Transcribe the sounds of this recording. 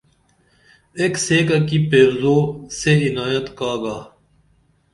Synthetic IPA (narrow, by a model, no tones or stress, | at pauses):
ekseːkɐkipeːwzoːseɪnaːjət̪kaːɡaː